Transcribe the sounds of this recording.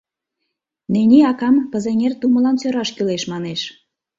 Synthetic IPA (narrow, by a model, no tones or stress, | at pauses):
nenʲiɑkɑmpə̆zeŋʲert̪umə̆lɑnsøɾɑʃkyleʃmɑneʃ